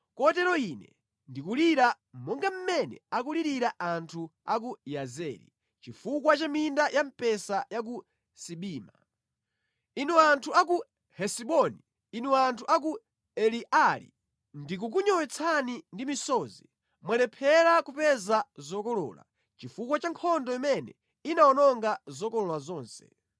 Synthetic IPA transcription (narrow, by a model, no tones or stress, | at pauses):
kɔtɛɾɔinɛ̰ | ndikuliɾa | mɔŋɡam̩mɛnɛ̰akuliɾiɾaʔantʰuak̬ujazɛɾḭ | t͡ʃifukwat͡ʃamindajam̩pɛsajak̬u | siɓiːma̰ | inwɛantʰuak̬u | hɛsiɓɔni | inɛwantʰuʔak̬u | ɛliʔalḭ | ndik̬uk̬uɲɔwɛt͡sʰanindimisɔːzi | mwalɛpʰɛɾakupɛzazɔkɔlɔ̰ːla̰ | t͡ʃifukwat͡ʃaŋkʰɔndɔjɔmɛnɛ̰ | inaɔnɔŋɡazɔkɔlɔlazɔːnsɛ̥̰